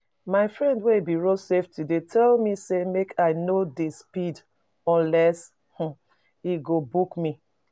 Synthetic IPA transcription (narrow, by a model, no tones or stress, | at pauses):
maɪfɹɛ̃ndweibiɹoseftidetʰɛlmisemekʰaɪnodespid | ɔ̃nlɛs | h̩ | iɡobukmi